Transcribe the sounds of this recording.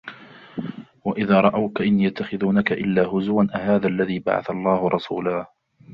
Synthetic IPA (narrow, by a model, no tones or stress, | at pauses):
waʔɪðaːɾˤɑʔawkaʔɪnːiːjat̪ʰːaxɪðuːnakaʔɪlːaːɦʊzʊwanʔahaːðalːaðiːba̰ʕa̰θalˤːɑːhʊɾˤɑsṵːlaː